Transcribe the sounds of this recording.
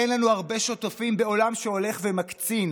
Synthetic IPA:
enlanuaʁbe̞ʃo̞t̪afimbe̞o̞lamʃeo̞le̞χvemakt͡sin

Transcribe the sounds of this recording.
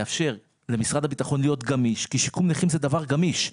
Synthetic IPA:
afʃe̞ʁ | le̞misʁad̪habit̪aχo̞nlijo̞t̪ɡamiʃkiʃikumniχimzed̪avaʁɡamiʃ

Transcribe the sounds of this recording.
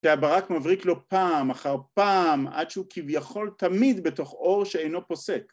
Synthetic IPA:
ʃeabaʁakmavʁiklo̞paːmaχaʁpaːma̰d̪ʃeukivjaχo̞lt̪amid̪be̞toχo̞ʁʃeejno̞po̞sek

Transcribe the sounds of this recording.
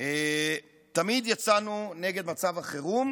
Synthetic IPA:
e | t̪amid̪jat͡sanune̞ɡe̞d̪mat͡savaχeʁum

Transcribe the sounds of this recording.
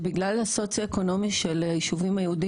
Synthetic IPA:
biɡlalaso̞t͡sjaeko̞no̞miʃelajiʃuvimajeudi

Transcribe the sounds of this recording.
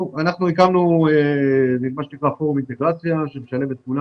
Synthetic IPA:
uanaχnuikamnueimaʃenikʁafoʁumint̪e̞ɡʁat͡sjaʃemeʃale̞vet̪̚kula

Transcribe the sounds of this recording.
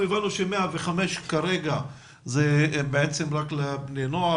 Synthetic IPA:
evanuʃemeaveχameʃkaɾeɡa | zebeet͡semʁaklebnenoa

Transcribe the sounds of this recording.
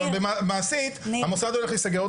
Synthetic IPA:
bemamaːsit̪hamosad̪ole̞χlisaɡeʁot

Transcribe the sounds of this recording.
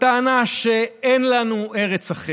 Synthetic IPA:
taːnaʃeenlanueʁet͡saχe

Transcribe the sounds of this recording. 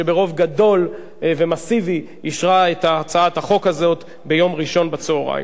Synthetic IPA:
ebeʁo̞vɡado̞l | ve̞masivi | iʃʁaetaːt͡saathaχo̞khazo̞t | be̞jo̞mʁiʃo̞nbat͡soːʁa̰j̰

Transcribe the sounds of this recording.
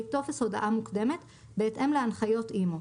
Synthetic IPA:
it̪o̞veso̞da̰ʔamukd̪e̞me̞t̪ | beːtʔe̞mleanχajo̞t̪ʔimo

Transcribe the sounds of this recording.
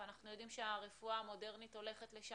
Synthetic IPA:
anaχnujo̞dimʃeaʁefuamo̞de̞ʁnito̞le̞χe̞tle̞ʃa

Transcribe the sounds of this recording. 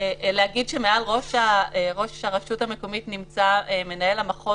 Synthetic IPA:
elehaɡidʃemealʁo̞ʃaeʁoʃhaʁaʃutame̞ko̞mitnimt͡saeme̞nae̞lamaχo

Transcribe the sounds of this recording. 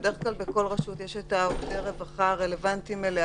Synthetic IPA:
deʁeχklalbeko̞lʁaʃutjeʃetaoteʁevaχaʁelevantimele

